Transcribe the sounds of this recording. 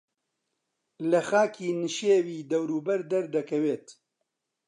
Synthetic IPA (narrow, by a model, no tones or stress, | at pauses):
lɐxaːkʰiːnɨʃeːwiːd̪ɐwɾuːbɐɾd̪ɐɾd̪ɐkʰɐweːt̪